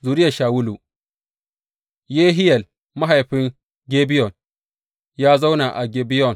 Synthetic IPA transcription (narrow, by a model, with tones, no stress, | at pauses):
zuː˨ɾɪ˦ja˨ʃaː˨wʊ˦lu˨ | jeː˦ɦɪ˦jɐ˨l | ma˦ɦa˨jɸɪ˦ŋ | ɡʲe˦bɪ˦jɔ˨n | jaː˦za˦wna˨ʔa˨ɡʲeː˦bi˦jɔ˨n